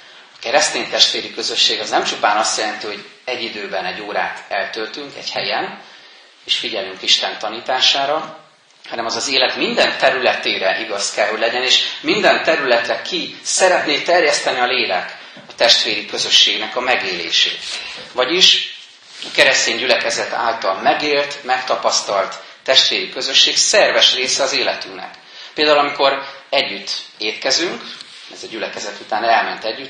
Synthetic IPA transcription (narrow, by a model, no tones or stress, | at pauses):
ɒkɛɾɛst̪eːnt̪ɛʃt̪ʋeːɾikø̞zø̞ʃːeːɡɒznɛmt͡ʃupaːnɒst̪jɛlɛnt̪iho̞ɟɛɟːid̪øːbɛnɛɟːoːɾa̰ːt̪ɛlt̪ølt̪yŋkɛ̰ɟhɛjɛn | eːʃfiɟɛlyŋkiʃt̪ɛnt̪ɒniːt̪aːʃaːɾɒ | hɒnɛmɒzɒzeːlɛt̪mind̪ɛnt̪ɛɾylɛt̪eːɾɛʔiɡɒskɛlɦo̞ɟlɛɟɛneːʃmind̪ɛnt̪ɛɾylɛt̪rɛkʰisɛɾɛt̪neːt̪ɛrjɛst̪ɛniɒleːlɛk | ɒt̪ɛʃt̪ʋeːɾikø̞zø̞ʃːeːɡnɛkɒmɛɡeːlḛːʃḛːt̪vɒɟiʃ | ɒkɛɾɛst̪eːɲɟylɛkɛzɛt̪a̰ːlt̪ɒlmɛɡeːlt̪mɛkt̪ɒpɒst̪ɒlt̪ː | ɛʃt̪ʋeːɾikø̞zø̞ʃːeːksɛrvɛʃreːsɛɒzeːlɛt̪yŋnɛ̰k | peːld̪aːulɒmiko̞ɾɛɟːyt̪ːeːt̪kɛzyŋk | ɛzɛɟylɛkɛzɛt̪ut̪aːnɛlmɛnt̪ɛɟːyt̪